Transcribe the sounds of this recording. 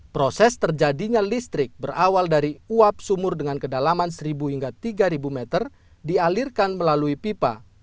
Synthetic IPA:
pɾosɛst̪ərd͡ʒadiɲalist̪ɾɪk̚bərawaldaɾiuap̚sumʊrdəŋankədalamansəɾibuhiŋɡat̪iɡaɾibumɛt̪ər | dialirkanməlaluipipa̰

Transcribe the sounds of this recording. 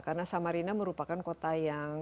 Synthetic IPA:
karnasamaɾinaməɾupakankot̪ajaŋ

